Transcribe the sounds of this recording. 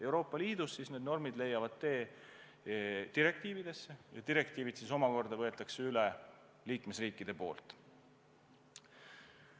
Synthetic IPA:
e̞wɾo̞ːpːˑɑliːd̪̥usːisne̞ːd̪no̞rmid̪le̞jɑvɑd̪̥̚t̪e̞ː | d̪̥iɾe̞k̚t̪iːvid̪̥e̞sːe̞jɑd̪iɾe̞kt̪iːvid̪siso̞mɑko̞rd̪ɑvɤ̞e̞t̪ːˑɑkseylɛ | liːkme̞sriːkːˑid̪̥e̞po̞̰ːlt̪ˑ

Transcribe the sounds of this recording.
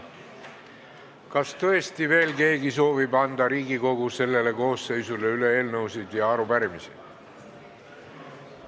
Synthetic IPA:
kɑst̪ɤ̞e̞st̪ive̞ːlke̞ːɡiso̞ːvibɑnd̪ɑɾiːɡiko̞ɡ̥use̞lːe̞le̞ko̞ːsːe̞jsule̞yle̞e̞ːlnɤwsid̪̥jɑɑɾupæɾimisḭd̪̥

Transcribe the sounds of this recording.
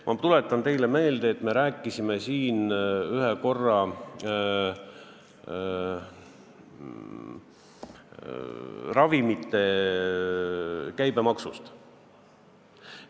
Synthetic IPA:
mʔɑt̪ule̞t̪ˑːɑnt̪e̞jle̞me̞ːld̪̥eːt̪ːˑme̞ɾæːkːˑisime̞siːnyɦeko̞rːɑ | rɑvimit̪ːˑe̞ | kæjb̥e̞mɑksust̪

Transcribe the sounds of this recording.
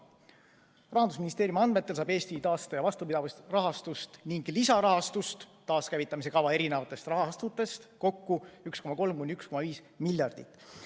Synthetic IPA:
rɑhɑnd̪usminist̪e̞ːɾjumɑnmet̪ːˑe̞lsɑːbe̞ːst̪it̪ɑːst̪ɑjɑvɑst̪upid̪ɑvɑst̪rɑɦɑst̪ust̪niŋɡlisɑɾɑɦɑst̪ust̪ːɑːskæjvit̪ːˑɑmis̬e̞kɑvɑe̞ɾinevɑt̪ːˑest̪rɑɦɑst̪ut̪ːˑe̞st̪ko̞kːuyksko̞mɑko̞lmkunʲd̪yksko̞mɑviːs | miljɑrd̪̥it̪ːˑ

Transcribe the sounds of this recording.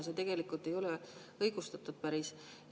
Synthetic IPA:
set̪e̞ɡ̥e̞likˑult̪ˑe̞jo̞le | ɤjɡ̥ust̪ɑt̪ːˑud̪̥̚pæɾis

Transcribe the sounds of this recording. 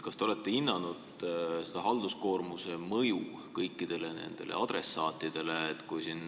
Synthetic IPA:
kɑst̪eole̞t̪ˑːe̞inːɑnud̪̥ | sed̪̥ɑɦɑld̪̥usko̞ːrmuse̞mɤju | kɤjkːˑid̪̥e̞lene̞̰nd̪̥e̞lʔḛɑd̪ɾe̞sːɑːt̪ːˑid̪̥e̞leːt̪ːˑkujsin

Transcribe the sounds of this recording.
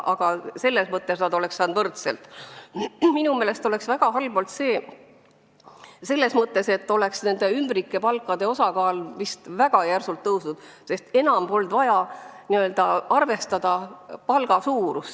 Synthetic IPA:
ʔɑɡ̥ɑse̞lːe̞smɤt̪ːesnɑd̪o̞le̞kssɑːnd̪vɤrt̪selt̪ | minumeːle̞st̪o̞le̞ksvæɡ̥ɑɦɑlb̥olt̪se̞ː | se̞lːe̞smɤt̪ːˑe̞se̞t̪ːˑo̞le̞ksne̞nd̪e̞ymbɾikːe̞pɑlkːˑɑd̪̥e̞o̞sɑkɑːlmist̪væɡ̥ɑjærsult̪ːɤwsnud̪̥ | se̞st̪e̞nɑmb̥o̞ld̪̥vɑjɑniø̞ld̪ɑɑrve̞st̪ɑd̪̥ɑpɑlɡ̥ɑsuːɾust̪

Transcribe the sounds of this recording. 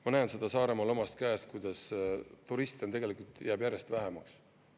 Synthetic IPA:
mɑnæːnse̞d̪̥ɑsɑːɾe̞mɑlo̞mɑst̪̚kæːst̪̚kujd̪̥ɑst̪uɾist̪i̥nt̪e̞ɡe̞likult̪jæːbjæɾe̞st̪væɦemɑks

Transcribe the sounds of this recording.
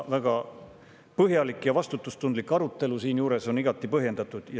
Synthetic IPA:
væɡ̥ɑ | pɤɦjɑlikːˑjɑvɑst̪ut̪ːˑust̪und̪likːˑɑɾut̪ːˑe̞lusiːnjuːɾe̞so̞niɡ̥ɑt̪ːˑipɤɦje̞nd̪̥ɑt̪ːˑud̪̥jɑ

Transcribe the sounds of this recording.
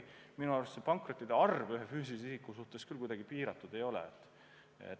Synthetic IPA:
minuɑrɾʋest̪sepɑŋkrot̪ːˑid̪̥eɑrvyɦefyːsilisisikːˑusuht̪eskylkujd̪ɑɡipiːɾɑt̪ːˑud̪̥e̞jo̞lɛ̰et̪ːˑ | ḛt̪

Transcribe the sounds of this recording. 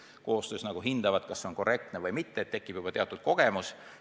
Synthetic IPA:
ko̞ːst̪øːsnɑɡ̥uɦind̪̥ɑvɑd̪̥kɑsːeonko̞rʔe̞k̚t̪nevɤjmit̪ːeːt̪ːe̞kːˑib̥jub̥ɑt̪e̞ɑt̪ːˑut̪̚ko̞ɡ̥e̞mus

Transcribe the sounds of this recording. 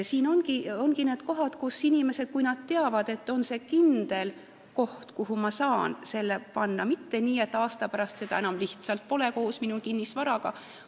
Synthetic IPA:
siːno̞nɡ̥io̞nɡ̥ineːd̪̥ko̞ɦɑd̪̥kusinʲime̞se̞d̪̥kujnɑd̪̚t̪e̞ɑvɑd̪̥e̞t̪ːo̞nse̞ːkind̪̥e̞l | ko̞ht̪kuɦumɑsɑːnse̞lːepɑnːɑmit̪ːe̞nʲiːe̞t̪ːˑɑːst̪ɑpæɾɑst̪se̞d̪ɑ̰enɑmliht̪sɑlt̪̚po̞le̞ko̞ːsminukinʲːisvɑɾɑɡ̥ɑ

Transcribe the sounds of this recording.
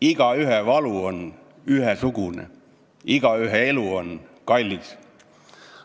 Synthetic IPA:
iɡ̥ɑyɦeʋɑluon | yhesuɡunḛ | iɡ̥ɑyɦeeluonkɑlʲːis

